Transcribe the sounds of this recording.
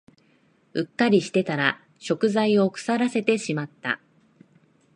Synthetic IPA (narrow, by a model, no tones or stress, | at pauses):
ɯ̟kːaɾʲiɕi̥t̪e̞t̪aɾa | ɕo̞kɯ̟zaio̞kɯ̥saɾase̞t̪e̞ɕimat̪ːa̰